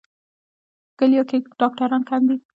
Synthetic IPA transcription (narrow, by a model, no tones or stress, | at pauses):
kəlijokeɖ̥ɑk̚ʈaɾɑnkʰand̪i